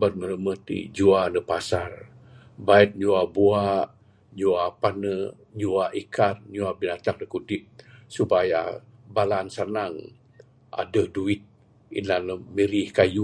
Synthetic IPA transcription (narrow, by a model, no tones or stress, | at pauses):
bət̚ŋələməht̪ḭd͡ʒuanəpasar | bait̪̚ɲuabuaʔ | ɲuapanə | ɲuaʔikarɲuabinat̪ak̚nəkudɪp̚supaja̰ | balansanaŋ | ʔa̰dəhduit̪̚ | ḭnanəmiɾihkaju